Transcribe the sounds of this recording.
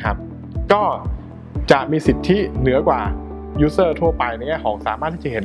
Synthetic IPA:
a˦˥p̚ | kɔː˥˩ | t͡ɕa˨˩ʔmiː˧si˨˩t̪ʰːi˦˥nɯ˩˦ɐkwaː˨˩ | juː˦˥sɤː˥˩t̪ʰu˥˩ɐpa˧jna˧jŋɛː˥˩jkʰɔː˩˦ŋsaː˨˩˦maː˥˩t̪ʰːiː˥˩t͡ɕa˨˩he˩˦

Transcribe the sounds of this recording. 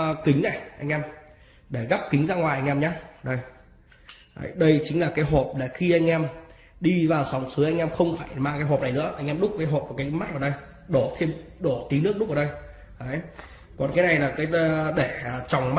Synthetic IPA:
kï˨˦ŋ̟na˨˩jʔa˧ŋ̟ʔɛ˧m | ɗe˧˩ɣa˦˥p̚ki˨˦ŋ̟zaː˧ŋwaː˨˩jʔa˧ŋ̟ʔɛ˧mɲaː˧ɗə˧˩j | ə̰˨˧˦jɗə˧jt͡ɕï˨˦ŋ̟laː˨˩kaː˨˦jɦo˨˩p̚la˨˩xi˧ʔa˧jŋ̟ʔɛ˧m | ɗi˧vaː˨˩wsa˨˦wŋ͡msɨ˨˦ʔa˧jŋ̟ʔɛ˧mxə˧wŋ͡mfaː˧˩jmaː˧ŋkaː˨˦jɦo˨˩p̚na˨˩jnɨ̰˧˥əʔa˧jŋ̟ʔɛ˧mɗʊ˦˥k͡p̚kaː˨˦jɦoː˨˩p̚ːkaː˨˦jma˦˥t̚vaː˨˩wɗə˧j | ɗo˧˩t̪ʰe˧mɗo˧˩t̪i˨˦nɨ˦˥ək̚ɗʊ˦˥k͡p̚ːɗə˧j | ʔə˨˦j | kɔ˨˩nkaː˨˦na˨˩jlaː˨˩kaː˨˦jɗɗe˧˩˨t͡ɕɔ˨˩wŋ͡mm˦

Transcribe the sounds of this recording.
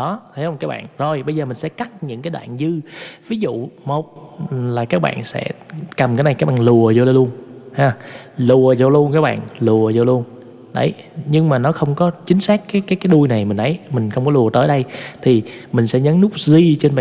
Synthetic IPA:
ɗɔ˨˦t̪ʰə˨˦jhə˧wŋ͡mkaː˦˥k̚ɓa̰ː˧˨nzo˨˩jɓə˧jzəː˨˩m̟˨˩sɛ̰˧˥ka˦˥t̚ɲɨ̰˧˥ŋkaː˨˦jɗa̰ː˧˨nzɨ˧vi˨˦zṵ˧˨mo˨˩t̚laː˨˩kaː˦˥k̚ɓa̰ː˧˨nsɛ̰˧˥kə˨˩mkaː˨˦jna˨˩jkaː˦˥k̚ɓa̰ː˧˨˩lu˨˩əzo˧jlə˧lu˧ənhaː˧˩lu˨˩əzo˧˩lu˧ənkaː˦˥k̚ɓa̰ː˧˨nlu˨˩əzo˧˩lu˧ən | ɗə̰˧˩j | ɲɨ˧ŋmaː˨˩nɔ˨˦xə˧wŋ͡mkɔ˨˦t͡ɕï˨˦ŋ̟saː˦˥kːaː˨˦jkaː˨˦jkaː˨˦jɗu˧jna˨˩jmï̟˨˩ʔə˨˦jmï˨˩ŋ̟xə˧wŋ͡mkɔ˨˦lu˨˩ət̪əː˨˦jɗə˧jt̪ʰi˨˩mï˨˩ŋ̟sɛ̰˧˥ɲə˨˦nnʊ˦˥k͡p̚zi˧t͡ɕe˧nɓa̰ː˧˨

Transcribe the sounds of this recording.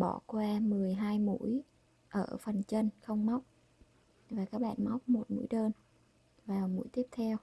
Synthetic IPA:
ɓɔ˧˩kwaː˧mɨ˨˩əjɦaː˧jmṵ˧˥əj | ʔəː˧˩fə˨˩nt͡ɕə˧nxə˧wŋ͡mma˦˥wk͡p̚ | vaː˨˩kaː˦˥k̚ɓa̰ː˧˨nma˦˥wk͡p̚mo˨˩t̚mṵ˧˥jɗəː˧n | vaː˨˩wmṵ˧˥jt̪i˦˥əp̚t̪ʰɛ˧w

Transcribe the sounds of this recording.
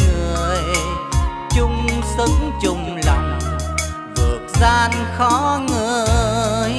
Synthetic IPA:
ŋɨ˧˩əj | t͡ɕʊ˧ŋ͡msɨ˨˧˦ŋt͡ɕʊ˨˩ŋ͡mlɔ̰˧˨wŋ͡m | vɨ˨˩ək̚zaː˧nxɔ˨˦ŋɨ˧˩ | j

